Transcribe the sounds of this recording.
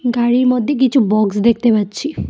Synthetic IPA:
ɡaɽiɹmɔd̪ʱjek̬it͡ʃʰubɔksd̪ek̚ʰt̪epatt͡ʃʰi

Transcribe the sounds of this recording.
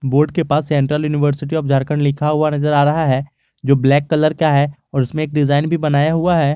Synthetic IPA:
boːɾɖkepaːsːɛ̃ɳʈɾəljuːnɪʋəɾsɪʈ̬iɔːfd͡ʒʱaɾkəɳlɪkʰaɦuanɐzəɾaːɾɐɦaɦɛː | d͡ʒoːblɛːkːɐləɾkjaɦɛɔːɾɪsmẽeːk̚ɖɪzaːɪnbʱibɐnaːjaɦuaɦɛː

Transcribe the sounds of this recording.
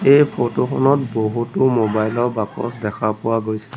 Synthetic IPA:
ejpʰotoxʰɔnɔtboɦutʊmobajlɔɹbakɔ̰sdɛkʰapʊwaɡojsɛ̥

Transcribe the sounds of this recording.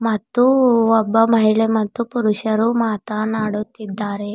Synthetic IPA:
mɐt̪ːuɔbːɐmɐɦiɭemɐt̪ːupuɾuʃɐɾumaːt̪anaːɽut̪ːid̪ːaːɾe̞

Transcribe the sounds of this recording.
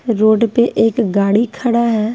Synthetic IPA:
ɾoːɖpeʔeːkɡaːɽikʰəɽaɦɛː

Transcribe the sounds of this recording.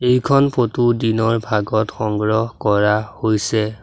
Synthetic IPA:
ejkʰɔnpʰotudinɔɹbʱaɡɔtxɔŋɡɹɔɦkɔɹahojsɛ

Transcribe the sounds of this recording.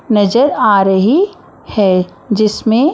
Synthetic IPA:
nɐd͡ʒəɾaːɾəɦi | hɛː | d͡ʒɪsmẽ

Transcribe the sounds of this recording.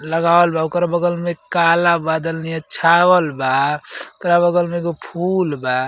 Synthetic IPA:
ləɡaəlbaokɾabəɡəlmekalabad̪əlnijat͡ʃʰawəlbaokɾabəɡəlmẽɡpʰulba

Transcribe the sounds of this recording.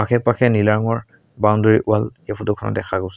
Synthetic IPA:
akʰɛpakʰɛnilaɹɔŋɔɹ | bawndoɹiʔualefʰutukʰɔnɔ̰tɛxaɡus

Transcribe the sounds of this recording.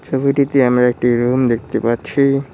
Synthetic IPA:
t͡ʃobʱiʈit̪eamɾaek̚ʈiɾumd̪ekʰt̪epatːt͡ɕʰi

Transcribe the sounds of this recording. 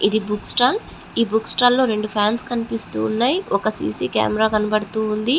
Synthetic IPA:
id̪ibuksʈaːl | iːbuksʈaːllo̞ːɾe̞ɳɖupʰaːnskɐnipist̪ṵːnːaːjiɔkɐsḭːsiːka̰ːmɛɾaːkɐnɐbɐɽut̪uːnd̪i

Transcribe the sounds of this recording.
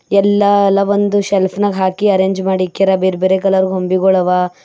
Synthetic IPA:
ɛlːɐlːɐʋond̪uʃelpʰnɐɡɦaːkiɐɾeːɲd͡ʒmaːɽikːeɾɐbeːɾbeɾekɐlɐɾuɡɦombiɡɔɭɐʋa

